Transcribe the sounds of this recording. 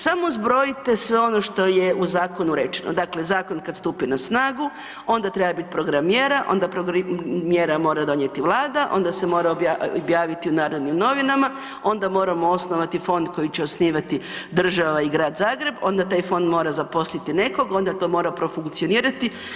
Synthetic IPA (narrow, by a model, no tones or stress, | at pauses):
samo̞zbɾo̞jit̪e̞sʋe̞o̞no̞ʃt̪o̞je̞uzaːko̞nuɾet͡ʃenʔo̰d̪akle̞zaːko̞nkad̪st̪upinasnaːɡu | o̞nd̪at̪ɾebabit̪pɾo̞ɡɾamjeːɾaʔo̞̰nd̪apɾoɡmjeːɾamo̞ːɾad̪o̞ɲjet̪iʋlˠaːd̪aʔo̞̰nd̪ase̞mo̞ɾaoabjaːʋit̪iunaːɾod̪nimno̞ʋinama | o̞nd̪amo̞ːɾamo̞o̞sno̞ʋat̪ifo̞nd̪ko̞jit͡ɕeosniːʋat̪id̪r̩ʒaʋaiɡɾaːd̪zaːɡɾe̞bo̞nd̪at̪aːjfo̞nd̪mo̞ːɾazapo̞slit̪ine̞ko̞ɡo̞nd̪at̪omo̞ːɾapɾo̞fuŋkt̪sio̞niːɾat̪i